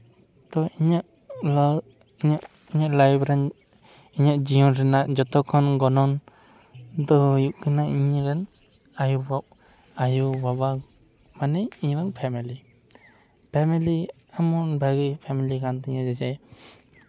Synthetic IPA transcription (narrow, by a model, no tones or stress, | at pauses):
t̪ɔiɲaʔ | l | iɲaʔ | iɲaʔlajbɾɛn | iɲaʔd͡ʒiɔnɾɛnaʔd͡ʒɔt̪ɔkʰɔnɡɔnɔn | d̪ɔjuʔkɯnaʔiɲɾɛn | ajubaʔ | ajubaba | manɛiɲɾɛnpʰɛmili | pʰɛmili | amɔnbaɡipʰɛmilikant̪iɲad͡ʒɛd͡ʒɛ